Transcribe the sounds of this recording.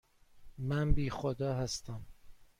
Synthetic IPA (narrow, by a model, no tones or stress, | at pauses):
mænbiːxod̪ɒːɦæst̪æm